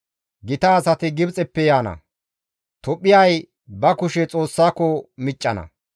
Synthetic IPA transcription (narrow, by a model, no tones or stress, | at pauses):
ɡɪt̪ɐːsɐt̪ɪɡɪbt͡sʼɛpːɛjaːnɐ̰ | t̪ɔpʼːɪjɐj | bɐkʊʃɛt͡sʼo̞ːsːaːkɔmɪt͡ʃʼːɐnɐ̰